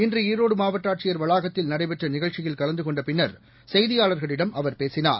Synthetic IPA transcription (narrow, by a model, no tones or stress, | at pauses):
ɪndrɯiːɾoːɽɯmaːʋɐʈːaːʈ̚t͡ʃɪjɐɾʋɐɭaːɣɐt̪ːɪlnɐɽɐɪpɛʈrɐnɪɣɐɭt͡ʃɪjɪlkɐɭɐnd̪ɯkɔɳɖɐpɪnːɐɾ | sɛjðɪjaːɭɐɾɣɐɭɪɽɐmɐʋɐɾpeːsɪna̰ːɾ